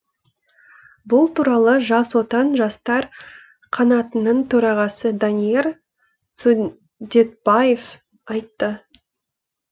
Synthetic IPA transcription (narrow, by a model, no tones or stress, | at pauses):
bʊlˠt̪ʰuɾɑlˠəʒɑswo̞t̪ɑnʒɑst̪ɑɾ | qʰɑnɑt̪ənəɴt̪ʰɵɾɑʁɑsəd̪anije̞ɾ | su | d̪et̪̚b̥ajef | ɑjt̪ːə